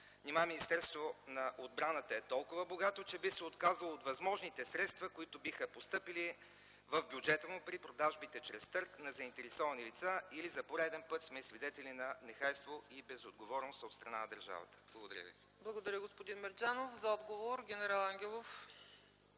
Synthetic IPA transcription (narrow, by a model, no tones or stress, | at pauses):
nʲimaminist̪ɛɾst̪vonɐʔod̪̚bɾanət̪əɛt̪ɔlˠkʊvəboɡat̪ot͡ʃɛbixsɛot̪kazəlˠoːt̪vɐzmɔʒnit̪ɛsɾɛt̪st̪vɐkoit̪obixəpost̪ɤpili | vəvbʲjʊd͡ʒɛt̪əmopɾipɾod̪aʒbit̪ɛt͡ʃɾɛst̪ɤɾknɐzɐint̪ɛɾɛsɔvɐnilit̪sailizɐpoɾɛd̪ɛnpɤt̪smɛsvid̪ɛt̪ɛlinɐnɛxajst̪voibɛzod̪ɡovɔɾnost̪ot̪st̪ɾɐnanɐd̪əɾʒa̰və̰t̪ə̥b̥lˠɡod̪ɐɾʲjə̰vḭ | blˠɐɡod̪ɐɾʲəɡospod̪inmɛɾd͡ʒanofzɐɔd̪ɡovoɾɡʲɛnɛɾalˠaŋɡʲɛlˠof